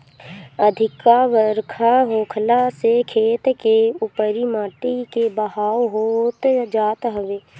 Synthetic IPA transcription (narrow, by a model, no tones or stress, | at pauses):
əd̪ʱɪkaʋəɾkʰaɦoːkʰlasekʰeːt̪keʊpəɾimaːʈikebəɦaːoɦot̪d͡ʒaːt̪ɦəʋeː